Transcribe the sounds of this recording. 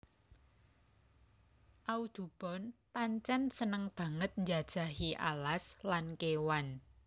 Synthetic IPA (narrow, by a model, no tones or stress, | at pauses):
ʔaud̪̥ṳb̥ɔ̤npaɲt͡ʃɛnsənəŋb̥ä̤ŋət̪̚ɲd͡ʒad̥ʒ̥a̤ɦiʔa̰laslankewan